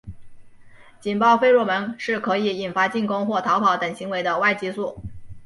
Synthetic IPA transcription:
t͡ɕi˨˩npɑ˥˧ʊfe˥ɪɻwɔ˥˩mə˧˥nʂɻ̩˥˩kʰɤ˧˥i˨˩i˨˩nfa˥t͡ɕi˥˩nkʊ˥ŋxwɔ˥˩t̪ʰɑ˧˥ʊpʰɑ˧˥ʊt̪ə˨˩ŋɕi˧˥ŋwe˧˥ɪd̪ə˧wa˥˩ɪt͡ɕi˥su˥˩

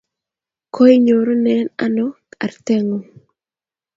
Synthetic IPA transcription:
kʰo˦i˦ɲo˨ɾo˦nɛ˦na˦nɔ˦ka̰˨rt̪ɛ˦ŋo˨

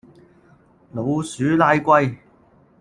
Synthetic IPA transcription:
lo˨˧wsyː˨˥laː˥˧jkʷɐ˥˧j

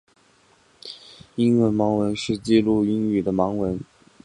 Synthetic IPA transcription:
i˥nwə˧˥nmɑ˧˥ŋwə˧˥nʂɻ̩˥˧t͡ɕi˥˧lu˥˩i˥ŋy˨˩d̪ə˦mɑ˧˥ŋwə˧˥n

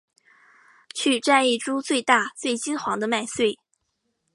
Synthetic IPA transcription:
t͡ɕʰy˥˧ʈ͡ʂa˥˧ni˥˩ʈ͡ʂu˥t͡swe˥˧ɪt̪a˥˧t͡swe˥˩ɪt͡ɕi˥nxwɑ˧˥ŋd̪ə˧ma˥˧ɪswe˥˩ɪ

